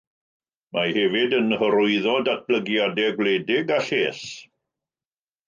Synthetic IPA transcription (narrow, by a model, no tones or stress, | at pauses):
mʔahɛvɪdənhəɾʊɨðɔdat̚b̥ləɡjadɛɡwlɛdɪɡaɬeːs